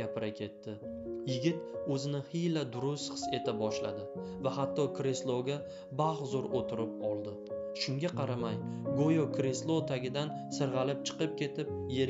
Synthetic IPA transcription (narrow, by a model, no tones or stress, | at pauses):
apɪɾakʲʰe̞t̪ːɪjɪɡʲɪt̪ɵzɪnɪhijlad̪ʊɾʊsχɨ̥se̞t̪ʰabɒʃla̰d̪ɪvahat̪ːɒkɾe̞slˠoɡʲa | baχzʊɾot̪ʰɪɾɪp̚ɒlˠd̪ɪ | ʃʊŋɡʲaqʰɑɾamajɡojokʰɾe̞slˠot̪ʰaɡʲɪd̪an | sɪɾʁɑlɪp̚t͡ʃʰɨ̥qɨp̚kʲʰe̞t̪ʰɪp̚je̞ɾ